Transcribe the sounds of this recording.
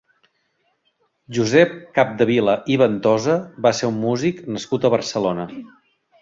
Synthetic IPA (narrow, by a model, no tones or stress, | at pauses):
ʒuzɛp̚kap̚d̪əβiləʔiβənt̪ɔzəβaseumːuziknəskut̪əβərsəlonə